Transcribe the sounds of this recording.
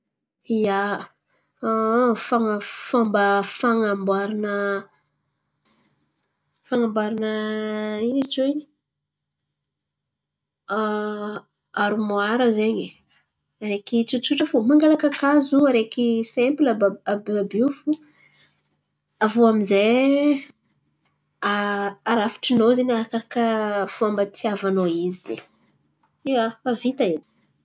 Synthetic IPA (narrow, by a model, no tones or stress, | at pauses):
ija | faŋafambəfaŋambaɾinə | faŋambaɾinə | iit͡sueɲ | aɾumoaɾəzeɲi | aɾekit͡sut͡suʈ͡ʂəfumaŋɡalakəkazuaɾekisɛmplabaabiabiufu | avoamize | aaɾafi̥ʈ͡ʂinozenaɾakaɾakəfuambət̪ʰiavanoizze | iaavit̪ain̥